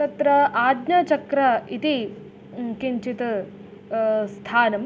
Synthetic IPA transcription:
ɐt̪ɾɐaːd̪nɐt͡ʃɐkɾɐit̪i | kiɲt͡ʃit̪ɐ | st̪ʰaːnɐm

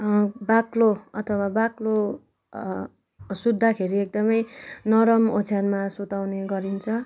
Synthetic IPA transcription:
bakloʌt̪ʰʌwabaklo | sud̪ʱːakʰeɾiek̚d̪ʌmʌjnʌɾʌmot͡sʰjanmasot̪awneɡʌɾint͡sʰʌ

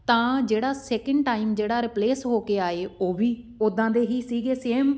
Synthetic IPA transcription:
t̪ãːd͡ʒeːɽaːsɛːkəɳɖʈaːiːmd͡ʒeːɽaːɾɪpleːsɦoːkeːaːeːoːʋiː | ʊd̪ãːd̪eːɦiːsiːɡeːseːm

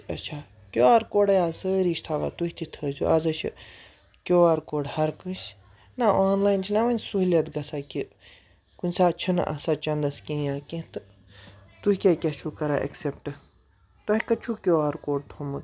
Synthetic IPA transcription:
ɐt͡ʃʰaː | kʲoːaːɾkoːɖɐjaːsəːɾiːʃt̪ʰaʋa̰ːt̪uɦʲit̪it̪ʰəːzʲṵʔazɐʃʰḭ | kʲoːaːɾkoːɖhɐɾkɨ̃s | naʔaːnlaːjnt͡ʃʰinɐʋɐnʲsuɦlʲɐt̪ɡɐsaki | kunʲsaːt͡ʃʰɐn̰ʔɐ̰saːt͡ʃɐnd̪ɐskʲẽːjãːkʲẽt̪ɨ | t̪uhikʲekʲɐt͡ʃʰuːkɐɾaːʔḛksepʈɨ | t̪ɐɦʲikɐt͡ʃʰukʲoːaːɾkoːɖ̚t̪ʰomɨt̪

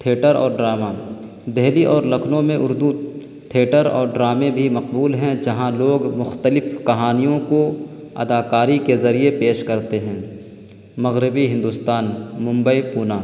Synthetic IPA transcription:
t̪ʰeːʈəɾɔ̰ːɾɖɾaːma | d̪ɛɦliʔɔːɾlɐkʰnõmẽʔʊɾd̪u | t̪ʰeːʈəɾɔ̰ːɾɖɾaːmẽbʱimɐq̚buːlɦɛ̃d͡ʒɐɦãloːɡmʊxt̪əlɪfkɐɦaːnijõko | ɐ̰d̪aːkaːɾikezɐɾiepeːʃkɐɾt̪eɦɛ̃ː | mɐɣɾɪbiɦɪ̃nd̪ʊst̪aːnmʊ̃mbəipuːnaː

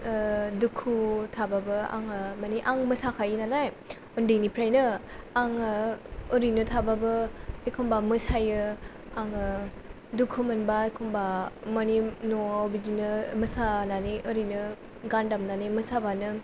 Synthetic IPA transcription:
dukʰutʰababɯa̰ŋɯmaniʔaŋmɯsakʰajinalaj | undɯnipʰɾajnɯ | aŋɯɔɾinɯtʰababɯekʰumbamɯsajɯ | aŋɯ | dukʰumɯnbaekʰumbamɔninoobid͡ʒinɯmɯsananiʔɯɾinɯ | ɡandamnanimɯsabanɯ

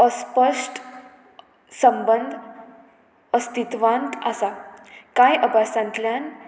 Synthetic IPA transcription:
əspəʂʈ | səmbənd̪ʱ | əst̪it̪ʋãnt̪a̰sakãjʔəbʱasãnt̪ljan

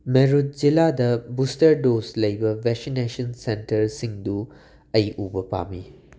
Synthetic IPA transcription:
meɾut̚ziladɐbustɐɾdoslɐjbɐbeksinesɐnsentɐɾsiŋdu | ɐjʔubɐpa̰mi

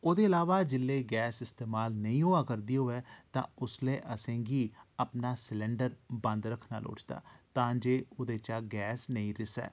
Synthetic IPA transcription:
oːd̪eːəlaːʋaːd͡ʒɪlːeːɡɛːsɪst̪eːmaːlnəĩːɦoːaːkəɾd̪iːoːɛːt̪ã̰ːʊsleːʔəsẽːɡiːəpnaːslɛɳɖəɾbə̃nd̪ɾəkʰna̰ːlo̰ːt͡ʃd̪a̰ːt̪ãːd͡ʒeːʊːd̪eːt͡ʃaːɡɛːsnəĩːɾɪsɛ̰ː

